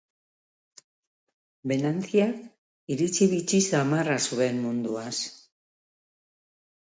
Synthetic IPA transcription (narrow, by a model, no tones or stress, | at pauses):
be̞nant͡siak | iɾit͡siβit͡ʃisamarasuβe̞nmund̪uas